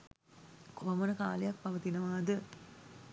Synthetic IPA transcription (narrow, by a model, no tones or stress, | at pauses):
koːmənəka̰ːlejak̚pɐʋət̪inəʋaːd̪ə